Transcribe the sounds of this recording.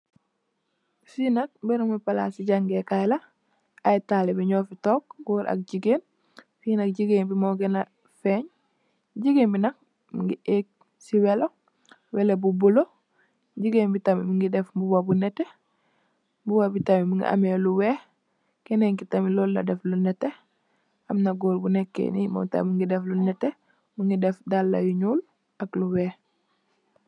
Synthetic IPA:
finak̚bɛɾumipala̰siɟaŋɡekajla | ajtalɛbiɲɔfitɔːk̚ɡuːɾʔa̰k̚ɟiɡeːn | fiːnak̚ɟiɡenbimɔɡɛna | fɛɲ | ɟiɡenbinak̚ | mŋɡiʔek̚ | siwɛlo | wɛlebubulo | ɟiɡebitamimiŋɡidɛfmbuwabunɛtːe | mbuwabitamimuŋɡḭʔa̰meluwɛːh | kɛnɛŋkitamilɔːlːa̰dɛflunɛtːe | ɐmnaɡoːlbunɛkːḛnḭmɔ̰ta̰miŋɡidɛflunɛtːe | muŋɡidɛfdalːa̰juɲuːl | akluwɛː

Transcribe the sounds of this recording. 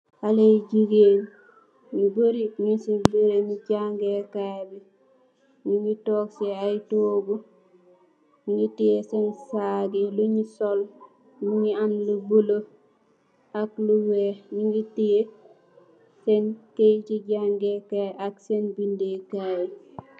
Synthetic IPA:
haleɟiɡeːn | miboɾimisibuɾemiɟaŋɡekajbi | ɲiŋɡitoːkseajitoːɡu | ɲiŋɡitijesensaɡeluɲisol | muɲianlubulo | akluweniŋɡitije | senkejt͡ʃiɟaŋɡekaʔaksenbindekaj

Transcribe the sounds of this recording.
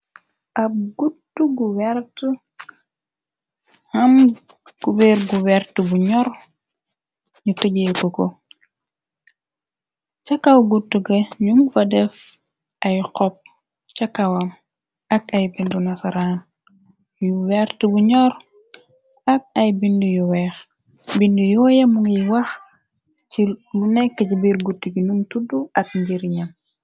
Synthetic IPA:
ʔɐb̚ɡutːuɡuwɛɾtu | hɐm | ɡ̥ubeɾɡuwɛrtubuɲɔɾ | ɲutɐɟekoko | t͡ʃɐkawɡutːuɡɐɲuŋfɐdɛf | ɐjqɔp̚ | t͡ʃɐkːɐwɐm | ɐkɐjbindunɐsɐɾaːn | juwɛɾtibuɲɔɾ | ɐk̚ɐjbindujuwɛːx | bindujuwjɐmuŋijwɐx | t͡ʃilunɛkːɐcibiɾɡutːuɡinuŋtuduʔɐt̚ɲɟiɾɲɐm

